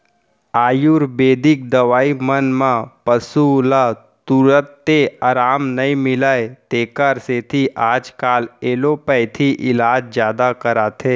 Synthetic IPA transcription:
aːjuɾbeːd̪ɪk̚d̪ɐʋaːimənmãpəsula | t̪uɾət̪ːeaɾaːmnɐĩmɪlaet̪eːkaɾset̪ʰiʔaːd͡ʒkaːleːlopɛɪt̪ʰiʔɪlaːd͡ʒzjaːd̪akɐɾaːt̪ʰeː

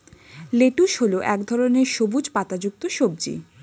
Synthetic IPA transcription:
leʈuʃɦoloʔɛkd̪ʱɔɾoneɾʃobud͡ʑʱpat̪ad͡ʑuk̚t̪oʃob̚d͡ʑḭ

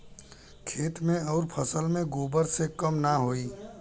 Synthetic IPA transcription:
kʰeːt̪mẽɔːɾpʰəsəlmẽɡoːbəɾsekəmnaɦoːiː

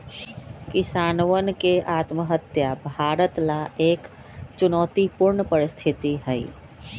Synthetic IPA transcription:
kisaːnwənkeʔat̪məɦət̪jabʱaːɾət̪laeːk | t͡ʃunɔːt̪ipuɾɳəpəɾist̪ʰit̪iɦəj

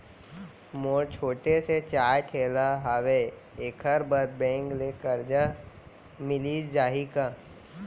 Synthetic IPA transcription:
moːɾt͡ʃʰoːʈeset͡ʃaːjʈʰeːlaɦaʋeeːkʰəɾbəɾ̚bɛ̃ːŋklekəɾd͡ʒa | mɪliːd͡ʒd͡ʒaːɦikaː

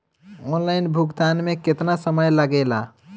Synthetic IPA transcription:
ɔnlaɪnbʱuɡt̪anmeket̪nasəməjləɡɛla

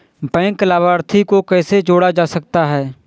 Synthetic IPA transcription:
bɛ̃ːŋklaːbaːɾt̪ʰikokɛːsed͡ʒoːɽad͡ʒaːsək̚t̪aɦɛː

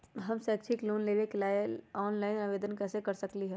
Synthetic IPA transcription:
ɦɐmseɐkt͡ʃʰikluːnleːʋekelaːeɔːnlaːɪnaʋeːd̪ənkɛːsekɐɾsɐkliɦɛː

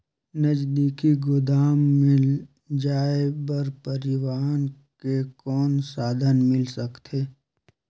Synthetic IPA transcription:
nəd͡ʒd̪iːkiɡʊd̪aːmːɪl | d͡ʒaːebəɾpəɾɪwaːn | kekɔːnsaːd̪ʱənmɪlsəkt̪ʰeː

